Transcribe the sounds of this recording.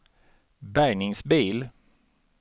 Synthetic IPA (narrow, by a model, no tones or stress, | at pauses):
bæɾɳɪŋsbiːl